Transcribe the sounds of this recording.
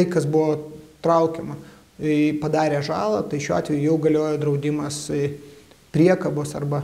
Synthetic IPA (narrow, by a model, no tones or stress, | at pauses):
ɐɪkɐsbʊʋoːt̪ɾɐʊkʲɛmɐ | pɐd̪ɑːɾʲeːʒɑːlˠɐt̪ɐɪʃʲuːɑːt̪ʲʋʲɛjʊjɛʊɡɐlʲoːjɛd̪ɾɐʊd̪ʲɪmɐs | pʲɾʲiɛkɐboːsɐrbɐ